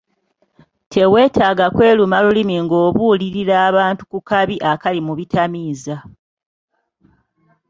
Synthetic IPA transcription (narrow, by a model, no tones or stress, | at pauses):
tʰe̞we̞ːtʰaːɡakwe̞ːlumalulimiŋɡo̞ːβuliɾiɾaːβaːntu̥kukaβiʔakalimuβitʰamiːza